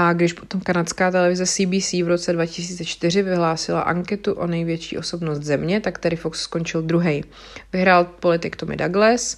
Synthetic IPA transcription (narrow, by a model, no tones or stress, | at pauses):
ʔaɡdɪʃpot̪o̞mkanat̪skaːt̪ɛlɛvɪzɛsiːbiːsiːvɾo̞t͡sɛdvacɪsiːt͡sɛt͡ʃt̪ɪr̝ɪvɪɦlaːsɪla̰ʔaŋkɛt̪uʔo̞nɛjvjɛt͡ʃiːʔo̞sobnost̪zɛmɲɛt̪akt̪aɾɪfoksːko̞nt͡ʃɪld̪ɾuɦɛj | vɪɦɾaːlpo̞lɪt̪ɪkt̪omɪ̰daɡlɛs